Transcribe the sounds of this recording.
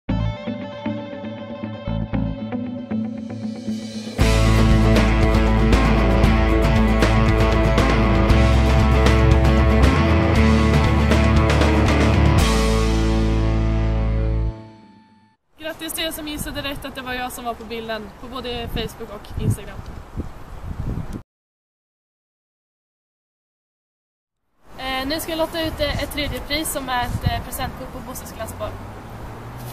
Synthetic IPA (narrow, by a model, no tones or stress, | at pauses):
ɡ̥ɾat̪ːɪst̪ʰɪsɔmjɪsːad̪ɪɾɛkt̪at̪̚d̪ɛvaɾjɑːɡsɔmvaɾpʰɔbɪld̪ənpʰɔboːd̪əfɛjsbʊkːɔkɪnst̪aɡɾam | nʉ̟ːskavɪlot̪ːaʉ̟ːt̪d̪ɛɛt̪ʰːɾeːd̪jəpʰɾiːsːɔmæɾɛt̪pʰɾɛsd̪ɛnt̪̚bʰʊpʰːɔbʊsəsklasːbɔɾ